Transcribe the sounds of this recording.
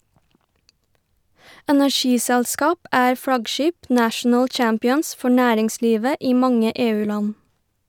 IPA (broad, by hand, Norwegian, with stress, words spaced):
ɛnæˈʃiːsɛɭˌskɑːp ˈæːɾ ˈfɽɑɡˌʃiːp ˈnæːʃɳ̩ə ˈt͡ʃɑmpɪəns ˈfɔ ˈnæːɾɪŋˌsliːʋə ˈiː ˈmɑŋə ˈeːˌʉːˌlɑn